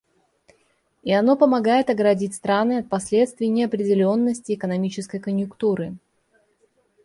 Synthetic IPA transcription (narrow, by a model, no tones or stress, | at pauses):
ɪɐno̞pəmɐɡajɪt̪ɐɡɾɐdʲitʲst̪ɾanɨɐt̪̚pɐsʲlʲe̞t̪st̪vʲɪjnʲɪɐpɾʲɪdʲɪlʲo̞nːəsʲtʲɪːkənɐmʲit͡ɕɪskəjkənʲjʊkt̪uɾɨ